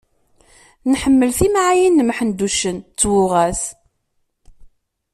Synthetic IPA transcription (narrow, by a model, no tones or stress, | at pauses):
nħəmːəlθimaʕajinːəmħənd̪uʃənt͡sːwʊʁæs